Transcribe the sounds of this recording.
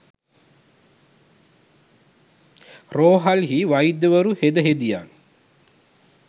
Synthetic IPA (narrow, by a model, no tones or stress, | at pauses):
roːɦalɦiʋajid̪jəʋəɾuhed̪əɦed̪ijaːn